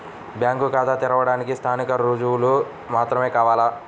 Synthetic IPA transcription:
bjaːŋkukaːt̪aːt̪iɾɐʋɐɽaːnikist̪ʰaːnikɐɾud͡ʒuwlu | maːt̪ɾɐme̞ːkaːʋaːla

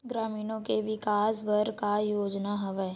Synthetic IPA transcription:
ɡɾaːmiːnõkeʋɪkaːsbɐɾkajoːd͡ʒnaɦɐʋɛː

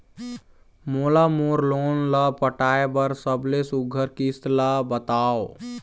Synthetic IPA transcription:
moːlamoːɾloːnlapəʈaːebəɾsəblesʊɡʱəɾkɪst̪labət̪aːo

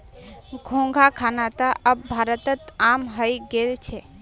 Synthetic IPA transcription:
ɡʱõŋɡʱakʰanat̪aʔəbbʱaɾət̪ət̪amɦəjɡelt͡ʃʰe

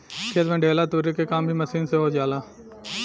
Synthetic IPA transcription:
kʰeːt̪mẽːɖʱeːlaːt̪uːɾekekaːmbʱiməsiːnseɦoːd͡ʒaːlaː

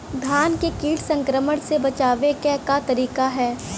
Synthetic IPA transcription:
d̪ʱaːnkekiːʈsə̃ŋkɾəməɽ̃sebɐt͡ʃaːʋekɛːkat̪ɐɾiːkaɦɛː

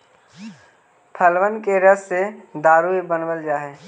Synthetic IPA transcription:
pʰəlʋənkeɾəsːed̪aːɾuibənbəld͡ʒaːɦeː

